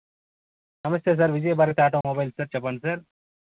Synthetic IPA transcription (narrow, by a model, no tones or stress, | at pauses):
sɐmɐst̪eːs̬ɐɾʋid͡ʒejebaːɾikt̪eaːʈomoːbaːjlsɐɾt͡ʃɐpɐnsɐɾ